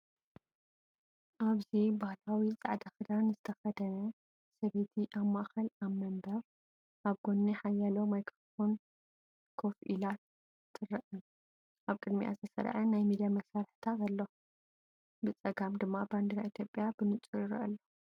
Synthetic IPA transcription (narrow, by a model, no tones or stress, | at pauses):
ʔaβzibahlawit͡sʼa̰ʕd̪axɨd̪anzɨt̪ʰɐxɐd̪ɐnɐ | sɐβet̪ʰiʔaβmaʔxɐlaβmɐmbɐɾ | ʔaβɡo̞nːiħajalomajkɾofon | kʰofʔilat̪ | tʼːɨrɐʔɨ | ʔaβkʼɨd̪mḭʔa̰zɨsɐ̰ɾʕɐnajmid̪ijamɐsaɾħt̪ʰazɐlːo | bɨt͡sʼɐɡamd̪ɨmːaband̪iɾaʔit̪ʰjo̞pʼjabɨnɨt͡sʼujɪɾɐ̰ʔɐ̰lːo